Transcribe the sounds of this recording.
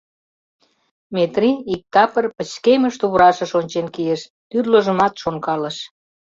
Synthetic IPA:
met̪riik̚t̪ɑpə̆rpə̆t͡ɕkeməʃt̪uβɾɑʃə̆ʃonʲt͡ɕenkijeʃ | t̪yrləʒə̆mɑt̪ʃoŋkɑlə̆ʃ

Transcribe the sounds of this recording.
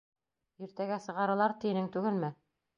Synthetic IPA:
iɾt̪æɡæsɤ̆ʁɑɾɤ̆lˠɑɾt̪inɘŋt̪ʉɡɘlmɘ

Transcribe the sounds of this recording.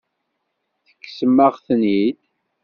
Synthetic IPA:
θə̥kːsəmːəʁθənid̪

